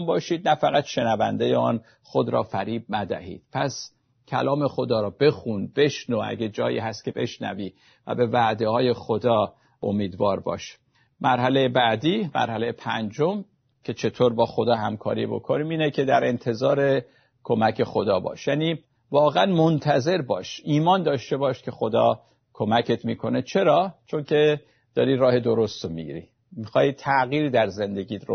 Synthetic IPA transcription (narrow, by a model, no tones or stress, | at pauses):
mbɒːʃiːd̪̚næfæɣæt̪ʃe̞nævæ̰nd̪ejeɒ̰ːn | xod̪ɾɒ̰ːfæɾiːb̚næd̪æ̰hḭːd̪̥pʰæs | cʰæ̰lɒːme̞xo̞d̪ɒːɾɒːbe̞xunb̥e̞ʃnoʔæ̰ɟed͡ʒɒːjḭːɦæst̪̚kʰe̞be̞̰ʃnæ̰viː | væ̰be̞væd̪e̞hɒːje̞xod̪ɒː | ʔo̰miːd̪vɒːɾbɒ̰ːʃ | mæɾɦælejebæd̪iːmæ̰ɾhæle̞jepʰænd͡ʒom | cʰe̞t͡ʃʰe̞t̪ʰoːɾbɒːxod̪ɒːɦæmkʰɒ̰ːɾḭbo̞̰kʰoniːmiːnecʰe̞d̪æɾe̞nt̪ʰe̞zɒːɾe̞ | kʰo̞mæcʰe̞xo̞d̪ɒːbɒ̰ːʃjæːniː | vɒːɣeænmont̪ʰæze̞ɾbɒːʃiːmɒːnd̪ɒːʃt̪e̞bɒːʃkʲʰe̞xod̪ɒ̰ː | kʰo̞mæcʰe̞t̪miːkʰo̞ne̞t͡ʃʰe̞ɾɒːt͡ʃʰo̞ncʰe̞ | d̪̥ɒːɾiːɾɒːhe̞d̪o̞ɾo̞st̪omḭɡḭɾḭ | mixɒːjit̪ʰæɣiːɾid̪æɾze̞nd̪e̞ɟʲiːt̪ɾo